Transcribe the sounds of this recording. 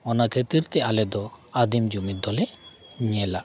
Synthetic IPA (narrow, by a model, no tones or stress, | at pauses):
ɔnakʰət̪iɾt̪ɛʔalɛd̪ɔad̪imd͡ʒumid̪ɔlɛɲɛla